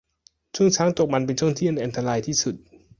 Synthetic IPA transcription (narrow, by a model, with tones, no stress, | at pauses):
t͡ɕʰu˥˩əŋt͡ɕʰaː˦˥ŋt̪o˨˩ma˧np̬e˧nt͡ɕʰu˥˩əŋt̪ʰi˥˩˨na˧jʔnt̪ʰa˧ɾaː˧jt̪ʰiː˥˩su˨˩t̪̚